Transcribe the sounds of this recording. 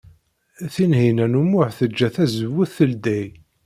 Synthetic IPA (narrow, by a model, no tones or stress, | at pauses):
θinhinænumːʊħθəd͡ʒːæθæzəwːəθːəld̪æj